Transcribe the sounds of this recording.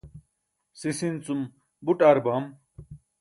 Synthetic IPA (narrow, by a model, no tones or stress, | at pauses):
sisint͡sum | buʈaɾbam